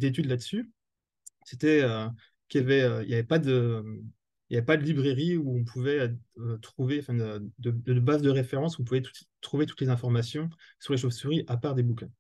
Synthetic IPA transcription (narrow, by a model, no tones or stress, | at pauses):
d̪et̪yd̪lad̪əsy | set̪ɛø | kʲjavɛøḭljavɛpad̪ə | iljavɛpad̪əlibʁeʁiuɔ̃pʰuvɛøt̪χuveɑ̃fɛ̃əd̪əd̪əbazd̪əʁefeʁɑ̃suɔ̃puvɛt̪u̥t̪χuvet̪u̥t̪lezɛ̃fɔʁmasjɔ̃syʁleʃofsyʁiʔapaʁd̪ebukʲɛ̃